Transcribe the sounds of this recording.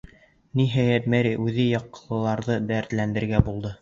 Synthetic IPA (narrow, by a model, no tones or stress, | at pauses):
niɦæjæt̪mæɾiʔʉðɘjɑqːɤ̥̆lˠɤ̆lˠɑɾðɤd̪æɾt̪lænd̪ɘ̆ɾɡæbulˠd̪ɤ